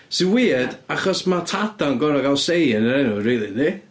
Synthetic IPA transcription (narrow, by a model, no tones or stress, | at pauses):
sɪnwiːd̥aχɔsmatʰadanɡɔɾɔɡalˠsejənəɾɛnʊriːlˠini